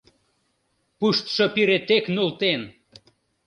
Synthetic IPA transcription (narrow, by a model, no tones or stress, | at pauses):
puʃt̪ʃopiɾet̪eknult̪en